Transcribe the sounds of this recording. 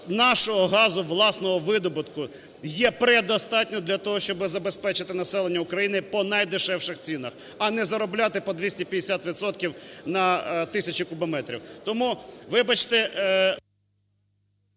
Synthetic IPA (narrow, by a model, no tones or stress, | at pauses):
nɑʃɔɦɔɦɑzʊʋlˠɑsnɔɦɔʋɪd̪ɔbʊt̪kʊ | jɛpɾɛd̪ɔst̪ɑtʲnʲɔd̪lʲɐt̪ɔɦɔʃt͡ʃɔbɪzɐbespɛt͡ʃɪt̪ɪnɐsɛlˠenʲːɐʊkɾɐjinɪpɔnɐjd̪ɪʃɛwʂɪxt͡sʲinɐx | ɐnɛzɐɾɔblʲat̪ɪpɔd̪ʋʲisʲtʲipʲjɐd̪esʲat̪ʋʲit̪sɔt̪̚kʲiwnɐt̪ɪsʲɐt͡ʃɪkʊbɔmɛt̪ɾʲḭwt̪ɔmuʋɪbɐt͡ʃt̪ɛ